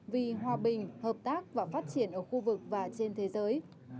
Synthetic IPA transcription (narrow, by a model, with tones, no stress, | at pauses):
vi˨˩ɦwaː˨˩ɓï˨˩ŋ̟həː˨˩p̚t̪aː˦˥k̚vaː˨˩faː˦˥t̚t͡ɕi˧˩ənʔəː˧˩xu˧vɨ˨˩k̚vaː˨˩t͡ɕe˧nt̪ʰe˨˦zəː˨˦j